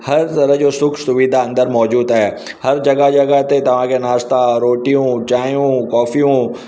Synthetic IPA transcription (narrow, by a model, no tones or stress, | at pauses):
hɐɾt̪ɐɾəɦd͡ʑoːsʊkʰsʊʋid̪ʱaɐ̃nd̪əɾmɔːd͡ʑuːd̪aɦe | hɐɾd͡ʑɐɡəd͡ʑɐɡət̪et̪ɐʋ̤ãkʰenaːst̪aɾoːʈijũt͡ɕaːijũkɔːfijũ